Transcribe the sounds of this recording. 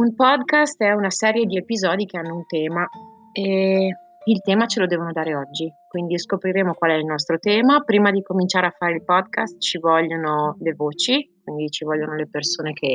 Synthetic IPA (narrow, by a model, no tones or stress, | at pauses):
umpɔd̪kast̪ɛunasɛːɾjed̪iepizɔːd̪ik̟eanːount̪ɛːma | e | ilt̪ɛːmat͡ʃelod̪ɛːvonod̪aːɾeɔd͡ʒːikwind̪iskopɾiɾeːmokwalɛilnɔs̬t̪ɾot̪ɛːmapɾiːmad̪ikomint͡ʃaːɾeafːaːɾeilpɔd̪kast̪t͡ʃivɔʎːonolevoːt͡ʃik̚wind̪it͡ʃivɔʎːonolepersoːnekʰe